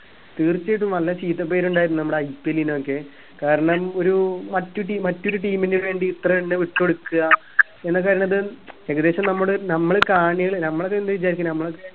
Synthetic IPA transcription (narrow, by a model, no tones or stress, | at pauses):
t̪iːrt͡ɕːɐjʈ̬ːuʋɐlːɐt͡ɕiːt̪ːɐpːe̞ːɾuɳɖaːjiɾunːunɐmːuɽeɐjpːelinokːe̞ | kaːɾɐɳɐmo̞ɾumɐtːuʈiːmɐtːo̞ɾuʈiːminɨʋe̞ːɳɖiːt̪rɐeɳːɨʋiʈːo̞ɽukːuɣɐ | e̞nːɐk̬ːaːɾɐɳːɐðɨeɣɐðe̞ːɕɐmnɐmːɐɭɨnɐmːɐɭkaːɳiɣɐɭnɐmːɐɭokːeend̪uʋit͡ɕaːɾikʲːɐnnɐmːɐɭokːe